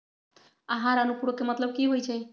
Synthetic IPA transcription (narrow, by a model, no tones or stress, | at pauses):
əɦãɾənupuɽokemət̪ləb̚kiɦojt͡ʃʰɛ